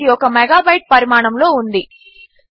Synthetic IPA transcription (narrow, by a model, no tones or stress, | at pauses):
iɔkɐmɛɡaːbɐjʈ̚pɐɾimaːɳɐmlo̞ːund̪i